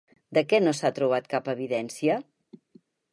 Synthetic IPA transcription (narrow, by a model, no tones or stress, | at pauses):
d̪əkɛnosat̪ɾuβ̞at̪kapəβ̞iðɛnsiə